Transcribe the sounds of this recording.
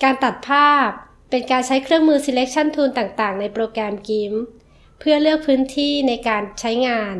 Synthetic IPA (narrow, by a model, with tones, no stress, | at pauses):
kaː˧nt̪a˨˩t̪̚pʰaː˥˩pː | e˧nkaː˧nt͡ɕʰa˦˥jkʰɾɯ˥˩əŋmɯː˧si˧le˦˥k̚t͡ɕʰa˥˩nt̪ʰuː˧nt̪aː˨˩ŋt̪aː˨˩ŋna˧jpɾoː˧kɾɛː˧mki˧˥m | pʰɯ˥˩ɐlɯ˥˩ək̚pʰɯː˦˥nt̪ʰiː˥˩na˧jkaː˧nt͡ɕʰa˦˥jŋaː˧n